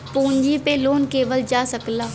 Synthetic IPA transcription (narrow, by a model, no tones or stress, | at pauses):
pũːɲd͡ʒipeloːnkeːʋəld͡ʒaːsəklaː